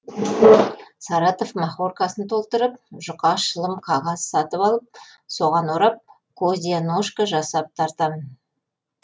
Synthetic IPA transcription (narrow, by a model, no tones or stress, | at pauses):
sɑɾɑt̪o̞fmɑχorkɑsənt̪ʰo̞lˠt̪əɾəp̚ʒʊqɑʃəlˠəmqʰɑʁɑzsɑt̪əpɑlˠəp̚ | so̞ʁɑnoɾɑp̚ | kʰozd̪ʲijanoʃkaʒɑsɑp̚t̪ʰɑɾt̪ɑmn